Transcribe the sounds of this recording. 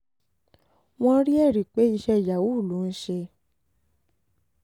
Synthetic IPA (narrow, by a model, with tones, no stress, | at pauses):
w̃ɔ̃˦˧˦ɾi˦ɛ˦˨ɾi˨k͡pe˨˦i˧ʃɛ˧˨ja˨wu˨˦˨lu˨˦˧n̩˦ʃe˧